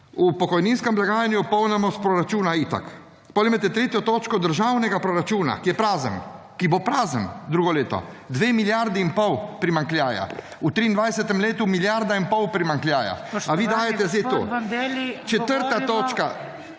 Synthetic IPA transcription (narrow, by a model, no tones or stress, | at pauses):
upɔkɔjninskɛmblaɡaːjanjupɔwnɛmɔspɾoɾat͡ʃuːnait̪a̰k | pɔlimat̪ɛt̪ɾeːt̪jɔt̪oːt͡ʃkɔd̪əɾʒawnɛɡapɾɔɾat͡ʃuːna̰kijɛpɾaːzən | kibopɾaːzənd̪ɾuːɡɔleːt̪ɔ̰ | d̪ʋeːmiljaɾd̪iːnpɔwpɾimaŋkljaːja̰ | ut̪ɾiːnd̪ʋajsɛt̪ɛmleːt̪umiljaɾd̪ainpɔwpɾimaŋklʲjaːja̰aʋiːd̪aːjɛt̪ɛzej̪oː | t͡ʃɛt̪əɾt̪at̪oːt͡ʃka